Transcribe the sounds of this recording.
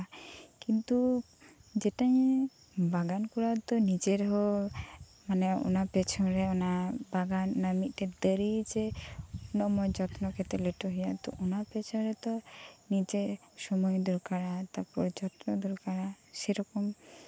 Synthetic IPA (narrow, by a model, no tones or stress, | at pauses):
akint̪u | d͡ʒɛʈaj | baɡankuɾat̪ɔnid͡ʒeɾɔɦɔ | manɛṵnapɛt͡ʃʰɔɾɛɔnabaɡanːamit̪̚ˀʈɛd̪əɾid͡ʒɛ | nɔmɔjd͡ʒɔt̪nɔkʰɛt̪ɛleʈɔɦɔjat̪ɔ̰ʔunapɛt͡ʃʰɔɾɛt̪ɔnid͡ʒe | sɔmɔjd̪ɔɾkaɽat̪apɔɾd͡ʒɔt̪nɔd̪ɔɾkaɽa | sɛɾɔkɔm